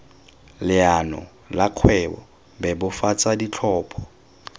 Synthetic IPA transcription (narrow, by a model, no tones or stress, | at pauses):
lɪanɔ̰ | laq͡χʰwɛbɔ̰ | bɛbʊfat͡sʼadit͡ɬʰɔːpʰɔ̥